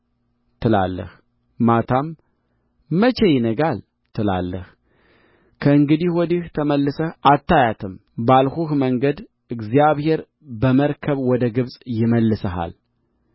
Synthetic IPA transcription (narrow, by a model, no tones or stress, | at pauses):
t̪ʰɨla̰lːə̰h | mat̪ʰamː | ət͡ʃejɪnəɡal | t̪ʰɨla̰lːəh | kʰəɨŋɡɨd̪ihwɔd̪iht̪ʰəməlːɨsəʔat̪ːajat̪ʰɨmbalhuhməŋɡəd̪ | ɨɡzijaβhe̞ɾ | bəməɾkʰəβwɔd̪əɡɨβsʼjɪməlːɨsəɦa̰l